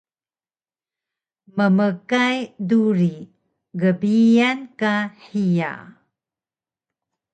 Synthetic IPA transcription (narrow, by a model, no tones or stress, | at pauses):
məməkajduɾi | ɡəbijankaħija̰